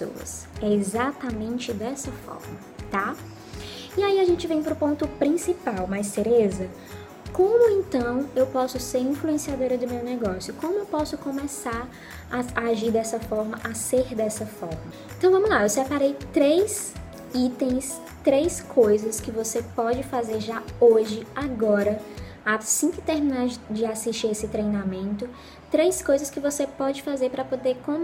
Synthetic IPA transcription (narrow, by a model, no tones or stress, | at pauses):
o̰wɐ̰sɛezat̪amẽnt͡ʃɪd̪ɛsɐfɔ̰ɾmɐ | t̪a | iaiaʒẽnt͡ʃɪvẽj̃pɾʊpõnt̪ʊpɾĩsipawmajseɾezɐ | kõmʊẽnt̪ɐ̃w̃ewpɔsʊseɾĩfluẽsiad̪oɾɐd̪ʊmewnɛɡɔsjʊkõmʊewpɔsʊkõmɛsaɾ | aaːʒiɾd̪ɛsɐfɔɾmɐʔaseɾd̪ɛsɐfɔɾmɐẽnt̪ɐ̃w̃vɐ̃mʊzlaewsɛpaɾejt̪ɾejs | it̪ẽj̃s | t̪ɾejskʰojzɐskɪvosepɔd͡ʒɪfazeɾʒaoʒɪaɡɔɾɐ | asĩkɪt̪eɾminaɾd͡ʒɪasiʃt͡ʃiɾesɪt̪ɾejnamẽnt̪ʊ | t̪ɾejskojzɐskɪvosepɔd͡ʒɪfazeɾpɾɐpod̪eɾkõ